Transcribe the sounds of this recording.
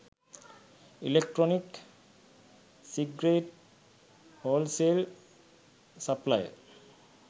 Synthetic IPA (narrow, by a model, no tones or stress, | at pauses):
ilek̚ʈɹɔnik | siɡɾeʈ | holsel | saplaj̰